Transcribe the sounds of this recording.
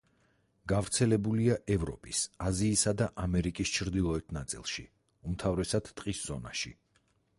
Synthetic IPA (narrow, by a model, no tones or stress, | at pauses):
ɡ̥avɾt̪sʰɛlɛbuliaʔɛvɾɔ̰pʼisaziːsad̪aʔamɛɾikʼist͡ʃʰɾd̪ilˠɔɛt̪ʰnat̪sʼḭlˠʃi | umt̪ʰavɾɛsad̪̥t̪ʼqʼisz̥ɔna̰ʃi